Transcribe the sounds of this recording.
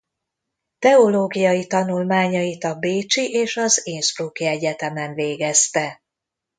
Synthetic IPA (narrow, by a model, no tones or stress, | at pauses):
t̪ɛo̞loːɡijɒjit̪ɒnulmaːɲɒjit̪ɒbeːt͡ʃiʔeːʃɒzeːnsbruːkiɛɟɛt̪ɛmɛɱveːɡɛst̪ɛ